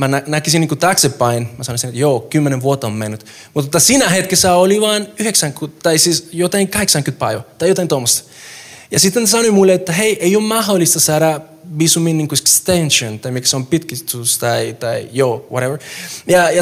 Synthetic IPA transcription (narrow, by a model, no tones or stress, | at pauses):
mænænækisinːiŋkut̪ɑksepːɑinmasɑnõisinet̪joːkymːenẽnʋuot̪ːɑommenːyt̪ | mut̪et̪ːasinæɦet̪kesæoliʋɑːnyheksæ̃ŋkut̪ːɑisisjot̪ɑiŋkɑheksɑŋkynt̪pɑiʋɑ̰t̪ɑjot̪ɑ̃int̪omːost̪jɑsit̪ːenssɑnoimulːeet̪ːæɦeiʔeijoːmmɑɦolist̪ɑsɑːɾɑ | ʋisuminniːŋkuekst̪ẽnʃõnt̪ɑimikseompit̪kist̪ust̪ɑit̪ɑijoːwoɾeʋəɹjɑjɑ